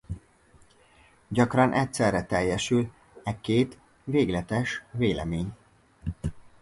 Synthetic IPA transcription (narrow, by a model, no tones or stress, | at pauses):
ɟɒkrɒnʔɛcsɛrːɛt̪ɛjːɛʃyl | ɛkeːt̪ | veːɡlɛt̪ɛʃveːlɛ̰meːɲ